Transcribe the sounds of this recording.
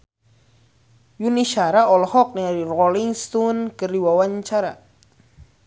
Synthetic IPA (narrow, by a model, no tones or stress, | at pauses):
juniʃaɾaɔlhɔk̚niaɾirɔliŋst̪unkəriwawaɲt͡ʃaɾa̰